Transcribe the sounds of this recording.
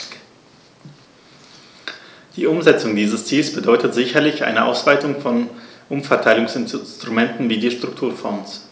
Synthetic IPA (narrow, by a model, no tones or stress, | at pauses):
d̥iːʔʊmzɛt͡sʊŋdiːzəst͡siːlsb̥ədɔʏtətz̥ɪçɐlɪçʔa̰ɪnəʔa̰ʊsv̥aɪtʊŋfɔnʔʊmfɛɐtʰaɪlʊŋsɪnstʁ̥umɛntn̩viːdiːʃtʁ̥ʊktʰuːɐfɔns